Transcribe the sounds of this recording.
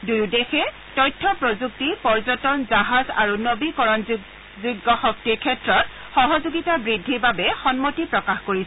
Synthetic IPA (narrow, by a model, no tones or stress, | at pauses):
dujdexɛ | tɔjtʰːɔpɹozuk̚tipɔɹzɔtɔnzaɦaza̰ɹunobikɔɹɔn | ziɡɔxɔk̚tiɹkʰɛtɹɔt̚ | xɔɦɔzuɡitabɹidʱːiɹbabɛxɔnmotipɹɔkaxkoɹisɛ